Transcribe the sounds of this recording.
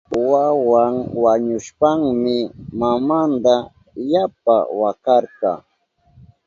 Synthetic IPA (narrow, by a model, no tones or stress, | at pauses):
wawaŋwaɲʊʃpaŋmɪmamand̪a | jap̚a̰wakɑɾkɑ